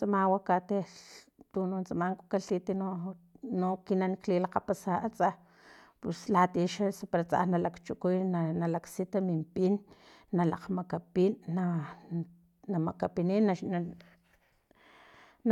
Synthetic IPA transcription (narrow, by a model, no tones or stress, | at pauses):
t͡samawakat̪et̪ununt͡samaŋko̥kaɬit̪inonokinanklilaqapasaʔat͡sa | puslat̪iʃaspaɾat͡sa̰nalakt͡ʃukujnanalaksit̪amimpinː | alaqmakapinːa | namakapininːan | n